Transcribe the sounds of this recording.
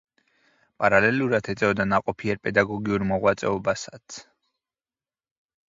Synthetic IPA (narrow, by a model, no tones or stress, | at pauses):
pʼaɾalɛluɾat̪ʰɛt̪zʼɛɔd̪anaqʼɔpʰiɛɾpʼɛd̪aɡɔɡiuɾmɔʁwat̪sʼɛɔbasat̪sʰ